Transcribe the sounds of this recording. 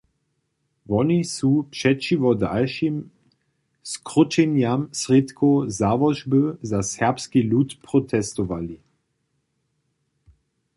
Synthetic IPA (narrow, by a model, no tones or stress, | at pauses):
vɔnisupʂɛt͡ʃivɔd̪a̰lʃim | skʁut͡ʃɛnjamsʁit̪kʰozavɔʒbəzasɛʁpskiluːt̪pʁɔt̪ʰɛst̪ɔʋali